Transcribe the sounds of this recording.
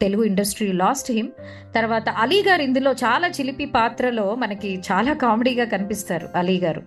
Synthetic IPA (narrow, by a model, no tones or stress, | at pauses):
t̪e̞luɡuiɳɖɐsʈɾiːlaːsʈɦim | t̪ɐɾʋaːt̪ɐʔɐliːɡaːɾind̪ulo̞ːt͡ʃaːlaːt͡ʃilipipaːt̪ɾɐlo̞ːmɐnɐkit͡ʃaːlaːkaːmeɽiːɡaːkɐnipist̪aːɾṵɐliːɡaːɾṵ